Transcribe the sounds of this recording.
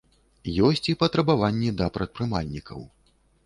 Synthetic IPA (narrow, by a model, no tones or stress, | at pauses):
jɔsʲt͡sʲipɐt̪ɾɐbavanʲːɛd̪ɐpɾɐt̪̚pɾɨmalʲnʲikɐ̰w